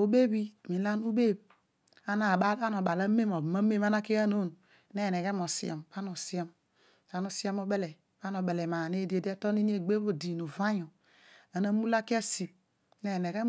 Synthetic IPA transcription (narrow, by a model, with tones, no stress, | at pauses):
o˨˦be˦bi˦˨mi˨˦la˦nu˦be˦˨b | a˦na˨ba˦la˦no˨ba˨la˦me˦mo˨ma˦me˦ma˦na˦ke˦a˦no˦n˨ | ne˦˨ne˨ɡe˦mo˨sḭ˦o̰˨mba˦no˨si˦o˦m | a˨no˨si˦a˦mo˦be˦le˨ | ba˦no˨be˨le˨ma˨ne˦de˨de˦to˦ni˦n˦e˦ɡ͡be˦bo˨di˨nu˨va˦ɲo˨ | a˨na˦mu˦la˦ki˦e˦si˨p̚ | ne˦˨ne˨ɡe˦